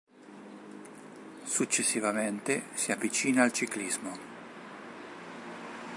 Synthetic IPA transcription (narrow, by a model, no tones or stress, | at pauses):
sut͡ʃːesːivament̪esiavːit͡ʃiːnaːlt͡ʃiklizmo